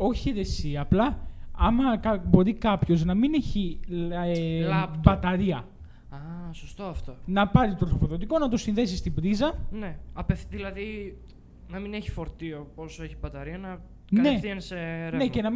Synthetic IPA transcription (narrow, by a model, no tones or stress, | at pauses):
o̞çieɾesiɐplɐɐmɐkɐbo̞ɾikɐpço̞znɐmine̞çi | lɐb̪bɐt̪ɐɾiɐ | ɐsost̪oɐft̪onɐpɐɾit̪ɾosofoðo̞t̪iko̞nɐt̪o̞sinðe̞sist̪ibɾizɐneɐpefðilɐði | nɐmineçi̥fo̞ɾt̪ioposoeçibɐt̪ɐɾiɐnɐ | knne̞t̪ienseɾnecenɐm